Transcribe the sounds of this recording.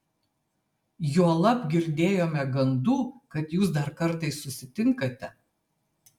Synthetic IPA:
juɔlˠɐpɡʲɪɾʲd̪ʲeːjoːmʲɛɡɐnd̪uːkɐt̪juːs̬d̪ɐɾkɐɾˑt̪ɐɪsːʊsʲɪt̪ʲɪŋkɐt̪ʲɛ

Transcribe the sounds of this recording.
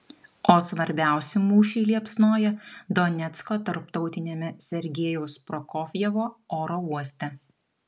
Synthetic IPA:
oːsʋɐɾʲbʲæˑʊsʲɪmuːʃʲiːlʲiɛpsnoːjɛd̪ɔnʲɛt̪skoːt̪ɐɾpt̪ɒʊt̪ʲɪnʲeːmʲɛsʲɛɾʲɡʲeːjɛʊspɾɔkoːfʲjɛʋoːoːɾoːuɔsʲt̪ʲɛ

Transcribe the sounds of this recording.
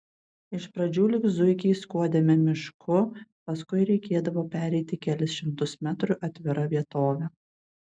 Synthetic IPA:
ɪʃpɾɐd͡ʒʲuːlʲɪkzʊɪkʲiːskuɔd̪ʲemʲɪmʲɪʃkʰʊpɐskʊɪɾʲɛɪkʲeːd̪ɐʋoːpʲæːɾʲɛɪt̪ʲɪkʲælʲɪsʃʲɪmt̪ʊsmʲæt̪ɾʊʔɐt̪ʲʋʲɪɾɐʋʲiɛt̪oːʋʲɛ

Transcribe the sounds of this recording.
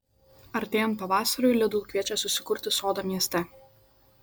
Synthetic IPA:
ɐɾʲt̪ʲeːjɛnpɐʋɑːsɐɾʊjlʲɛd̪ʊːkʲʋʲiɛt͡ʃʲɛsʊsʲɪkʊɾʲt̪ʲɪsoːd̪omʲiɛsʲt̪ʲɛ

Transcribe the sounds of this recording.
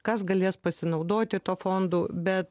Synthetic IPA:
kɐsɡɐlʲeːspɐsʲɪnɐʊd̪oːt̪ʲɪt̪oːfoːnd̪uːbʲɛt̪

